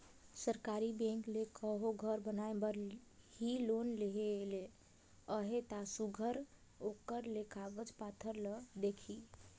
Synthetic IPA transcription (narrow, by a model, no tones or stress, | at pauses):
səɾkaɾibẽŋklekəɦoɡʱəɾbənaebəɾ | hilonleɦele | əɦet̪asuɡʱəɾ | okəɾlekʰabəd͡ʒpat̪ʰəɾləd̪ekʰi